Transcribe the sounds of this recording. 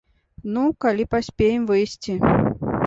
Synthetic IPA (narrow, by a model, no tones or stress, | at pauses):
nukalʲipasʲpʲejɛmvɨjsʲt͡sʲi